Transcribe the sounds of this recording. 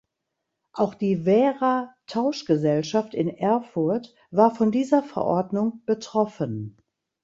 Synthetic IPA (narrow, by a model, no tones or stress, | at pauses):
ʔaʊxd̥iːvɛːʁatʰaʊʃɡ̥əzɛlʃaftɪnʔɛɐfʊɐt | v̥aːɐfɔndiːzɐfɛ̰ɐʔɔ̰ɐdnʊŋb̥ətʁ̥ɔfən